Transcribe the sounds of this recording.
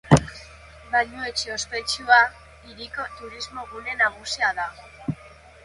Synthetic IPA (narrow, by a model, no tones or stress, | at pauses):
baʎue̞t͡ʃeo̞spe̞t͡ʃua | iɾiko̞t̪uɾizmo̞ɣune̞naɣusiaða